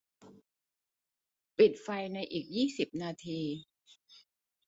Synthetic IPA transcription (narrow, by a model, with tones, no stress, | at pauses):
pi˨˩t̪̚fa˧jna˧jʔiː˨˩k̚jiː˥˩si˨˩p̚naː˧t̪ʰiː˧